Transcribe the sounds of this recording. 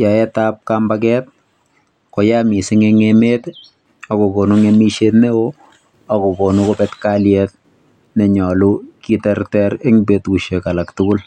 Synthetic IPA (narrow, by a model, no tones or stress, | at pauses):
jɔɛtap̚kambak̬ɛt̚ | kojamisɪŋeŋemet | akokonuŋemiʃetneo | akobonukopɛtkaljɛt̚ | nɛɲɔlukitɛrtɛɾeŋbetkuʃekalaktʊkʊl